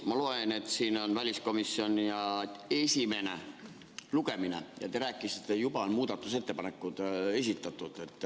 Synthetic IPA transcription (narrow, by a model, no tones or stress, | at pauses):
mɑlo̞ene̞t̪ːˑsiːno̞nvælʲisko̞misːio̞nʲijɑe̞sʲime̞ne̞ | luɡ̥e̞mine̞̰jɑ̰t̪eɾæːkːˑiset̪ːˑejub̥ɑonmuːd̪̥ɑt̪ːˑus̬e̞t̪ːe̞pɑne̞kːˑud̪̥e̞s̬ʲit̪ːˑɑt̪ˑːud̪̥e̞t̪ːˑ